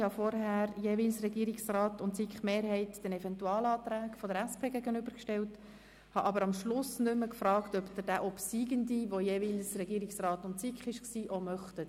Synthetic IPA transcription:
hɑfɔɾɦæːɾjeːvilsrɛɡiəɾiksrɑːtʊntsikχmeːɾhɛɪtd̥ɛnɛvɛntuɑːlɑːt̪ɾæːɡ̥fɔdəɾæspʰeːɡɛɡənʏbəɾkʃtɛlt | hɑʔɑbəɾɑmʃlʊsnʏməkfrɑːktœpd̥̪əɾd̥æʔɔpsiːɡəndiʋojeːvilsrɛɡiːɾiksrɑːtʊntsikχɪʃksiːʔomœχtə

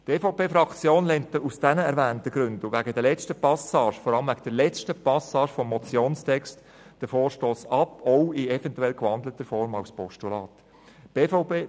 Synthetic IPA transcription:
teːfoʊpeːfɾɑkt͡sjoːnlɛntəusd̥ɛnəɛɾvæːntəɡ̥ɾʏndʊʋæɡədɛɾlɛt͡stəpɑsɑːʃfɔɾɑləmvæɡəd̥ɛlɛt͡stəpɑsɑːʃfɔmːɔt͡sjoːnstʰɛkst | d̥əfoːɾʃtoːsɑpɔʊɪɛvɛntuɛlkʋɑndlətəɾfɔɾmaʊspɔʃtulɑːt | b̥eːfoʊpeː

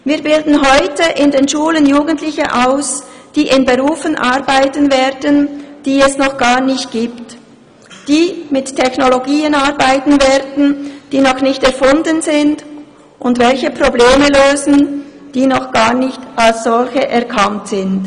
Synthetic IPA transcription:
viːɐbɪldn̩ɦɔʏtəʔɪndeːnʃuːlənjuːɡəntlɪçəʔaʊsd̥iːʔɪnbeʁuːfənʔaɾbaɪtənveːɾdənd̥iːɛsnɔχɡ̥aːʁnɪçt̚ɡ̥iːpt | d̥iːmɪttʰːɛçnoloɡiːənaʁbaɪtn̩vɛːɐdn̩d̥iːnɔχnɪçtɛʁfʊndənzɪnd | ʔʊndvɛlçəpʁ̥obleːməløːzn̩d̥iːnɔχɡ̥aːʁnɪçtalsz̥ɔlçəʔɛʁkʰantz̥ɪnd

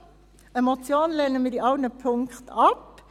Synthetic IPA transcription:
ɛmɔt̪sjoːnnlɛnəmiːd̪iːɑɡnəpʰʊŋkt̪ɑp

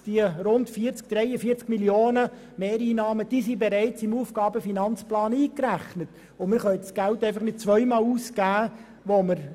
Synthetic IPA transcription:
d̥iəɾʊntfiəɾt͡sk̚d̥ɾɛɪəfiːət͡skmiljoːnə | meːɾiːnɑːməd̥iːsibɛɾɛɪt͡sɪmuːfɡ̥ɑːbəfinɑnt͡splɑːniːkræχnət | ʊmɪɾχœʏsɡ̥æltɛɪfɑχnɪd̥̚t͡sʋœʏmɑːluːskæː | ʋoməɾ

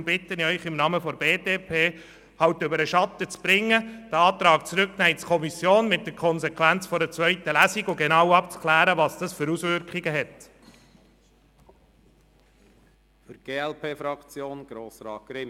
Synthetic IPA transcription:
mb̥ɪt̪ːəniœʏχɪmnɑːməfɔɾbeːdeːpʰeː | hɑwtʏbəɾəʃɑt̪ət͡sb̥ɾɪŋːəd̥əɑːt̪ɾɑːkt͡sɾʏknæjt͡skʰɔmisjoːnmɪt̚d̥əɾkʰɔnsɛkʰʋænt͡sfɔɾət͡sʋœʏtəlæsiɡʊɡenɑwɑpt͡skʰlæːɾəʋɑːsd̥ɑsfʏɾusʋʏɾkχiɡəɦɛt̪ | fyɾɡ̥eːɛlpeːfɾɑkt͡sjoːnɡ̥ɾoːsɾɑ̰ːt̚ɡ̥ɾɪ

